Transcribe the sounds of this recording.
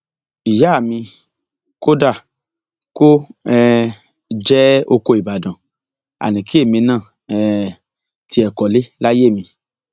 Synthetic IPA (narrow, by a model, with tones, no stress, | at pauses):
i˨ja˨˦a˦˨mĩ˧ | ko˦da˦˨ | ko˦ɛ˦ | d͡ʒɛ˦o˧ko˧i˨ba˨dɔ̃˨ | a̰˨nĩ˨ki˦e˦˨mĩ˧nãː˦˨ | ɛ˦ | ti˧˦ɛ˨kɔ˨le˦la˦je˦˨mĩ˧